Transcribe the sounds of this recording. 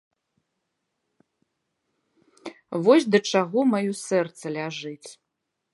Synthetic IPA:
vɔsʲd̪ɐt͡ʂaɣɔmajɔsɛrt̪sɐlʲaʐɨt͡sʲ

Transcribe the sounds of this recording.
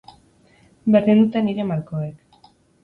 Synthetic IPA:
berind̪ut̪eniɾe̞maɾkoek

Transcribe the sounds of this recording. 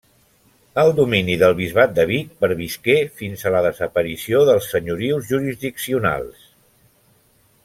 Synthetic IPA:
əlˠd̪uminiðəlˠβizβat̪̚d̪əβ̞ik̚pəɾβiskefinzələðəzəpəɾisioðəlˠsːəɲuɾiwzʒuɾizðiksiuna̰lˠs

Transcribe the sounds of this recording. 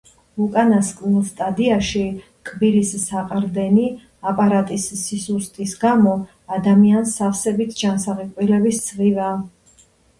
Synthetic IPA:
ukʼanaskʼnilˠst̪ʼad̪iaʃi | kʰʼbiɾisːaqʼɾd̪ɛni | apʼaɾat̪ʼisːisust̪ʼisɡamɔ | ad̪amiansːafsɛbit̪ʰd͡ʒansaʁikʼwilɛbisd̪z̥ʁiva

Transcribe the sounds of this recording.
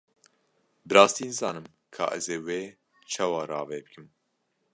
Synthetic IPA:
bɨɾɑːst̪iːnɨzɑːnɨm | kʰɑ̰ːʔɛ̰zeːweː | t͡ʃʰaːwɑːɾɑːveːbɨkʰɨm

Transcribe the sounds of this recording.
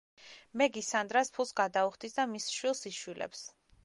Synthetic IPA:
mɛɡisand̪ɾaspʰulˠsɡad̪auχd̪isd̪amisʃwilˠsiʃwilɛ̰ps

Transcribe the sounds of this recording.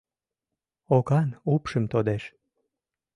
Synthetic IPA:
okɑnupʃə̆mt̪od̪eʃ

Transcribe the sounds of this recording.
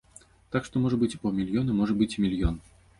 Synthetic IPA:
t̪akʂt̪ɔmɔʐɐbɨt͡sʲpɔmʲilʲjɔnɨmɔʐɐbɨt͡sʲmʲilʲjɔn

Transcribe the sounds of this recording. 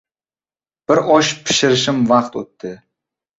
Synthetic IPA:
b̥ɪɾɒʃpʰɪ̥ʃɪɾɪʃɪmvɑqt̪ot̪ːɪ

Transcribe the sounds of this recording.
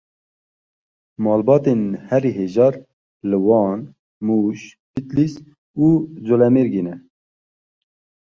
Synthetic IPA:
mɑːlbɑːt̪enhɛɾiɦeːʒɑːɾ | lɨwɑːn | muːʃ | pit̪lis | uːd͡zolɛmeɾɡeːnɛ

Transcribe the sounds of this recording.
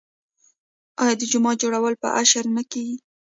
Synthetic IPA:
ɑjɑd̪əd͡ʒʊmɑd͡ʒoɽawəlpə̰ʔaʃaɾnakewi

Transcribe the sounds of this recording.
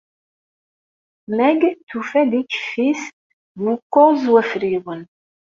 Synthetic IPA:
mæɡt̪ufæd̪ikːfis | nukːʊzwæfɾiwən

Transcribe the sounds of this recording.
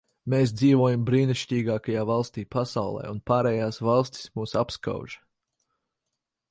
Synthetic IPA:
meːs̬d̪ziːvɔɔjambɾiːniʃcʲiːɡaːkajaːvalˠst̪iːpasawlˠɛ̰ːunpaːɾɛːjaːsvɑlˠsʲt̪ʲi̥smuːsapska̰ʊʒ̥

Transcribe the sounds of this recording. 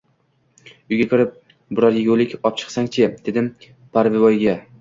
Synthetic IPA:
ʊjɡʲakʲʰɪɾɪp̚ | bʊɾɒɾjeɡʲolɪkʲɒp̚t͡ʃʰɨ̥χsaŋt͡ʃʰɪd̪̥e̞d̪ɪm | pʰaɾvɪvɒjɡʲa

